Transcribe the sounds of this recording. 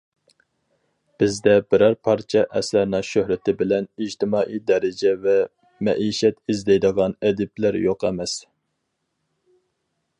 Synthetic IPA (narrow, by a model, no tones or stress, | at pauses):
b̥ɪzd̪ɛbɪɾɑɾpʰɑɾt͡ʃʰɛʔɛslæɾnɨʃøhɾɪt̪ʰɪbɪlɛnid͡ʒt̪ʰɪmɑːʔijd̪ɛɾɪd͡ʒɛvɛ | mɛ̰ʔiʃɛt̪izd̪ɛjd̪əʁɑnɛd̪ɪblæɾjoqɛmɛs